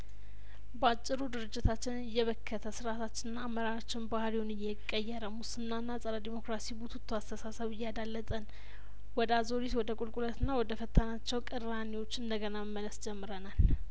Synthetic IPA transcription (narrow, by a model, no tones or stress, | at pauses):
bəat͡ʃʼːɪɾud̪ɨɾɨd͡ʒːɪt̪ʰat͡ʃːɪnɨjːɛβəkʰːət̪ʰəsɨɾat̪ʰat͡ʃːɪnːaːmːəɾaɾat͡ʃːɪnbahɾiwonɨjɛkʼːəjːɛɾəmusɨnːanːasʼəɾəd̪imo̞kɾasibut̪ʰt̪ʰːuast̪ʰəsasəβɨjːad̪alːət̪ʼən | wɔd̪əazo̞ɾit̪wɔd̪əkʼulkʼulət̪ɨnːawɔd̪əfət̪ʰːanat͡ʃːɛwkʼɨɾaniwo̞t͡ʃːɨnd̪əɡənaməmːələsd͡ʒɛmːɨɾənal